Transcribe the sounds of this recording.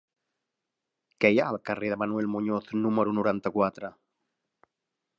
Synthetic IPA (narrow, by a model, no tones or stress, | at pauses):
kejaːlˠkəreðəmanwelmuɲoθnuməɾunuɾant̪əkwat̪ɾə